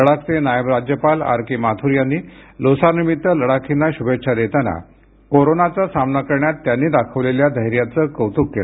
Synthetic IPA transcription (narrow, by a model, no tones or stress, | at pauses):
əɽak̚t͡senajəbɾad͡ʑjəpala̰ɾkimat̪ʰuɾjanːiːlosaɾnimit̪ːələɽakʰinːaɕubetːʂʰad̪et̪ana̰ | koɾonat͡sasamnakəɾɳjat̪ːjanːiːd̪akʰəʋleljad̪ʱəɦjɾjat͡səːkəwt̪ukːel